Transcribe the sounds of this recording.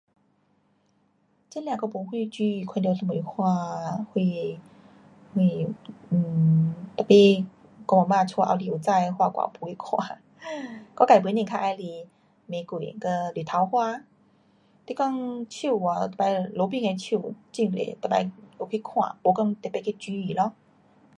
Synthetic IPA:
t͡ɕi˧˥˦nljã˧˨kɔ˧˩po˧˦ŋhwi˥˧t͡ɕi˧kʰa˧ndt̪ə˧mu˨i˧˦hwa˧hwi˧ | hwi˧˨˩ | t̪a˨˩pi˧˨ | kɔ˧ma˨˧˩mã˧t͡sʰɔ˧ʔa̰˧wli˧˨t͡sa˥˧jhwa˧˨kwa̰˧˩pu˧˦i˦kʰwa̰˧˦ | kɔ˧˥˦ka˨˩˨p̬nĩ˧˨ŋkʰa˧ʔa˧jli˧˩ | mẽ˨˧˦kwi˨˩˨kə˧lu˨˩t̪ʰa˨˧˦whwa˧ | t̪i˧˥kɔ˥˧ŋt͡ɕʰu˧˩a˨˩t̪e˨˩pa˧jlo˨˧˦pi˧ŋe˧t͡ɕʰu˧˩˨t͡ɕi˧˩ŋlḛ˨˩pə˧˩ta̰˧jo˧˩kʰi˧˦kʰwã̰˨po˨˧˦kɔ˥˧ŋt̪e˨˩pe˧kʰe˧t͡ɕi˧˦i˨˩lɔ˧

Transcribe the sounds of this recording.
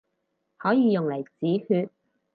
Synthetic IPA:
hɔː˨˥jiː˨˧jʊ˨ŋlɐ˨˩jt͡siː˨˥hyː˧t̚

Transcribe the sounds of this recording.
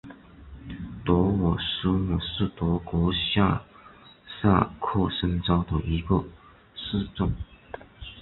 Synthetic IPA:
t̪wɔ˧˥wɔ˨˩ʂɻ̩˧˥mɔ˨˩ʂɻ̩˥˩t̪wɔ˧˥kwɔ˧˥ɕja̰˥ | sa̰˥˧kʰɔ˥˩ʂə˥nt͡sɑ˥ʊd̪ə˨ʔi˧˥ɡə˧ | ʂ̩˥˧t͡sʊ˥˩ŋ

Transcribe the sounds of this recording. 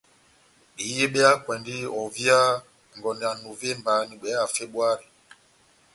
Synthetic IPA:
ɗi˨je˦ɓɛ˦a˦kwɛ˨ndi˦ɔ˨vi˦a˦ | ŋ˨ɡɔ˨nɛ˨a˨nu˨ve˦mba˨˦ni˨ɓɛ˨˦a˨fe˦ɓwa˦ɾi˨

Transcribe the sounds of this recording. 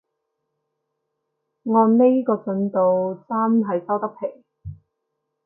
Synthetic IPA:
ŋɔː˧nne˥jkɔː˧t͡sɵ˨˥nt̪o˨wt͡saː˥mɦɐ˨jsɐ˥wt̪ɐ˥k̚pʰe˨˩j

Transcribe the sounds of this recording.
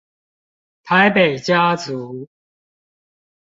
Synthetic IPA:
t̪ʰa˨˦ɪpe˨˩ɪt͡ɕja˦t͡su˨˦

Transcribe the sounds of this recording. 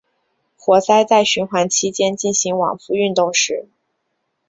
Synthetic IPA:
xwɔ˧˥sa˥ɪt͡sa˥˩ɪɕy˧˥nxwa˧˥nt͡ɕʰi˥t͡ɕjɛ˥nt͡ɕi˥˩nɕi˧˥ŋwɑ̰˨˩ŋfu˧y˥˧nt̪ʊ˥˧ŋʂɻ̩˧˥˩

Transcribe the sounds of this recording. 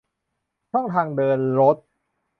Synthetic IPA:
t͡ɕʰɔ˥˩ŋt̪ʰaː˧ŋdɤː˧nɾo˦˥t̪̚

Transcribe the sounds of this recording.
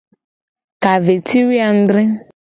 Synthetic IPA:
ka˨ve˨tʰi˦wi˦a˨n̩˦d̪ɾɪ˦

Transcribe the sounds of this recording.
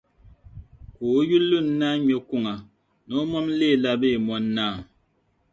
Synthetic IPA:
ku˨˦ju˦lːu˦˨n˦na˦ɲe˦ku˦ŋa˨ | nɔ˦mɔ˦m˦le˦˨la˦be˦˨mɔ˦nːa˦˨

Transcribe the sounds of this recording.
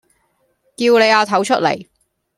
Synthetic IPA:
kiː˧wne˨˧jaː˨˧t̪ʰɐ˨˥wt͡ʃʰɵ˥t̚lḛ˨˩j

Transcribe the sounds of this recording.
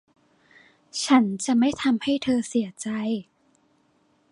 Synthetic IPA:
t͡ɕʰa˦˥nt͡ɕa˨˩ma˥˩jt̪ʰa˧mha˥˩jt̪ʰɤː˧si˩˦ɐt͡ɕa˧j

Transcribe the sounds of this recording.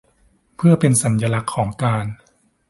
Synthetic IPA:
pʰɯ˥˩ɐpe˧nsa˩˦nja˧la˦˥kʰːɔː˩˦ŋkaː˧n

